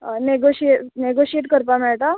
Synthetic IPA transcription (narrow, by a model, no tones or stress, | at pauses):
neɡoɕieʈneɡoɕieʈkəɾpamɛɭʈa